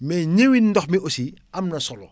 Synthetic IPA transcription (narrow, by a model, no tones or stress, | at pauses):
mɛːɲewinːdɔxmiosi | ɐmnɐsɔlɔ̰